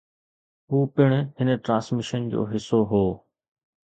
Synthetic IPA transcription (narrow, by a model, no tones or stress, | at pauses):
ɦuːpɪɽ̃ɦɪnʈɾãːsmɪʃənd͡ʑo̰ːɦɪsoɦoː